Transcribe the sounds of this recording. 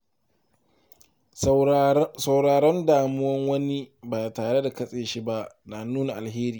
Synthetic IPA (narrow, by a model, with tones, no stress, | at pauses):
sa˨wɽaː˨ɽɔ˦ndaː˨mʊ˦wɐ˦ŋwɐ˦ni˦baː˨taː˨ɽe˦da˨kɐ˦sʼeː˨ʃi˦ba˦ʔnaː˨nuː˦na˨ʔa˨lɦeː˦ɾiː˨